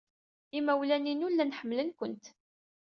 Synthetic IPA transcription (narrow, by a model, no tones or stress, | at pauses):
imæwlæninʊlːænħəmːlənkʷənt̪